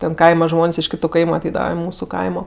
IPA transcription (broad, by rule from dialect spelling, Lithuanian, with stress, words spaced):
tʲɛn ˈkɐɪmɐ ˈʒmoːnʲsʲ ɪʃ ˈkʲɪtʊ ˈkɐɪmʊ ɐˈtʲɛɪdɐʋɐ ɪ ˈmuːsʊ ˈkɐɪmoː